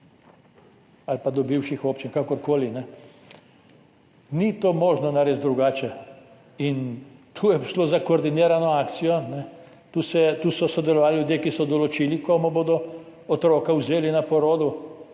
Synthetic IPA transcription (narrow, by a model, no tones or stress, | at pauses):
alpad̪ɔbiwʃixoːpt͡ʃinkakɔɾkoːlinɛ | nit̪oːmoːʒnɔnaɾeːzd̪ɾuɡaːt͡ʃɛ | int̪ʰuːjɛʃloːzakɔːɾd̪ineːɾanɔaːkt̪sijɔnɛ | t̪uːsɛt̪uːsɔsɔd̪ɛlɔʋaːlljud̪jeːkisɔd̪ɔlɔt͡ʃiːlikomɔboːd̪ɔ | ɔt̪ɾoːkawzeːlinapɔɾoːd̪u